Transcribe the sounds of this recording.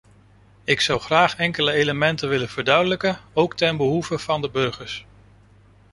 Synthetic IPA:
ɪksʌwχraːχɛŋkələejləmɛntənʋɪləv̥əɹdœɥdələkənowktɛnbəɦuvəv̥ɑndəbɵɹχəɹs

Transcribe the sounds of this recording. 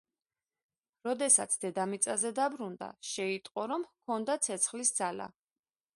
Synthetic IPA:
ɾɔd̪ɛsa̰t̪sʰd̪̥ɛd̪amit̪sʼazɛd̪abɾund̪a̰ʃɛit̪ʼqʼɔɾɔmkʰɔnd̪at̪sʰɛt̪sʰχlisd̪zala̰

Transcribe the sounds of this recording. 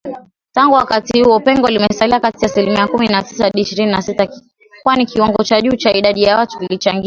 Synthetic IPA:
taŋɡuwakatihuɔpɛŋɡɔlimɛsaliakatiaːsilimiakuminatisaɗiːʃiɾininasita | kwanikiwaŋɡɔt͡ʃaʄuːt͡ʃaiɗaɗijawatuilit͡ʃaŋɡia

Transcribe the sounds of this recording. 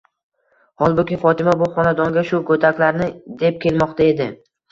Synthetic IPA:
hɒlˠbʊkʲɪfɒt̪ʰɪmabʊχɒnad̪ɒŋɡʲaʃʊkʰɵt̪ʰakʲlaɾnɪd̪e̞p̚kʲʰe̞lmɒqt̪ʰae̞d̪ɪ

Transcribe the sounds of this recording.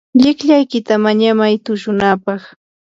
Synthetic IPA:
ʎɪkʎajkɪt̪amaɲamajt̪ʊʃʊnaːpɑχ

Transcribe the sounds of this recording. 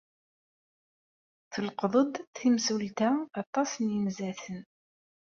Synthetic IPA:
θəlqðˤəd̪ˤθimsult̪aɑt̪ˤːɑsnjəmzæθən

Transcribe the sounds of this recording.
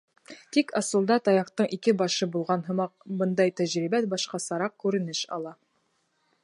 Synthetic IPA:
t̪ikɑsɤ̆lˠd̪ɑt̪ɑjɑqt̪ɤɴʔikɘbɑʃɤbulˠʁɑnɦɤ̆mɑq̚bɤnd̪ɑjt̪æʑɾibæt̪̚bɑʃqɑsɑɾɑq̚kʉɾɘ̆nɘʃɑ̰lˠɑ

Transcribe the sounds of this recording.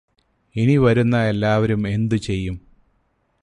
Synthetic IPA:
iniʋɐɾunːɐe̞lːaːʋɐɾume̞nd̪ut͡ɕe̞jːum

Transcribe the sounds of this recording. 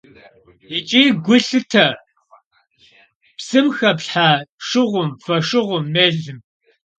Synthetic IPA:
it͡ʃʼiːɡʷʊɬɨtʰɐ | psɨmxɐpɬħaʂɪʁʷʊmfɐʂɪʁʷʊmːeːɮɨm

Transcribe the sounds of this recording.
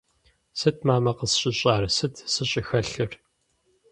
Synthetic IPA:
sɨt̚ʰmaːmɐqəsɕʼɪɕʼaːrɨsɨtʰsɨɕʼɪxɐɬɨr

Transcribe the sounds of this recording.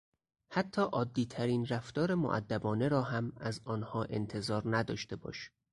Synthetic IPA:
hæt̪ʰːɒːʔɒːd̪ːiːt̪ʰæɾiːnræft̪ɒːɾe̞mo̰ʔæ̰d̪ːæbɒːne̞ɾɒːɦæmæzɒːnhɒːʔe̞nt̪ʰe̞zɒːɾnæd̪ɒːʃt̪e̞bɒ̰ːʃ

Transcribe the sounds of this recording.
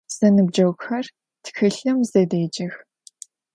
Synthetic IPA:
z̥ɐnɨb̚d͡ʒɐwxɐr | txɨɬɨmzɐdeːd͡ʒɐx

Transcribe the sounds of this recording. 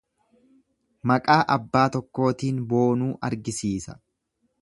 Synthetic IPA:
mɐkʼaːʔɐbːaːt̪ɔkːo̞ːt̪iːnbo̞ːnuːʔɐɾɡɪsiːsɐ̥̰

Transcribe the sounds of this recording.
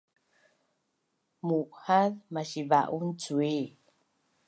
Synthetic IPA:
muʔhaðmaɕiva̰ʔunt͡sue

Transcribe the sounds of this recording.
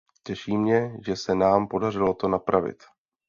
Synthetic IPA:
cɛʃiːmɲɛʒɛsɛnaːmpo̞darɪlo̞t̪o̞napɾʔavɪ̰t̪

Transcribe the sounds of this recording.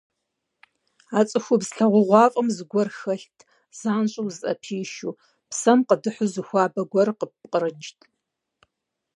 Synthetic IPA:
aːt͡sʼɨxʷʊbzɬɐʁʷʊʁʷɑːfʼɐmzɨɡʷɔrxɐɬtʰ | z̥aːnɕʼɐwzɐ̰pʰiːʃuː | psɐmqədɨħʷʊzɨxʷaːbɐɡʷɐrqəpqəɾɨd͡ʒtʰʼ

